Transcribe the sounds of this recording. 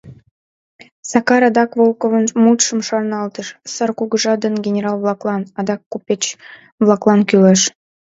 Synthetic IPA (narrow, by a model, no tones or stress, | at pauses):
sɑkɑɾɑd̪ɑkvolˠkovənmut̪ʃə̆mʃɑrnɑlˠt̪əʃsɑrkuɡəʒɑd̪ənɡʲenʲeɾɑlˠvlˠɑklˠɑnɑd̪ɑkːupʲet͡ɕ | vlˠɑklˠɑnkyleʃ